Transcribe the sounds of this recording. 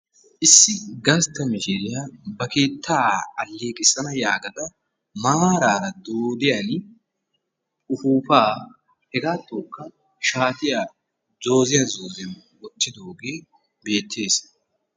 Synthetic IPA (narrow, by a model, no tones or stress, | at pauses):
ʔɪsːɪɡɐst̪ːɐmɪʃɪɾɪjabɐke̞ːt̪ʰːaːɐlːe̞ːkʼɪsɐnɐjaːɡɐt̪ɐ | maːɾaːɾɐd̪oːd̪ɪjɐn | ʊfuːfaː | hɛɡaːt̪ːoːkːɐ | ʃaːt̪ɪjaː | zo̞ːzɪjazoːzɛn | wɔt̪ːɪd̪oːɡe̞ː | be̞ːt̪ʰːe̞ːs